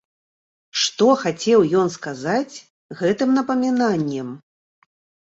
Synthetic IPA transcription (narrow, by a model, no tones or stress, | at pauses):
ʂt̪ɔxat͡sʲɛwjɔnskazat͡sʲ | ɣɛt̪ɨmnɐpɐmʲinanʲːɛm